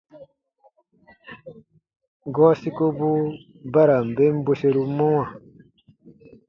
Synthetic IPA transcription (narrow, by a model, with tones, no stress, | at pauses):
ɡoː˦si˦ko˦bu | bɐ˦ɾa˨mbe˦mbuɕe˨ɾumo˦wã˨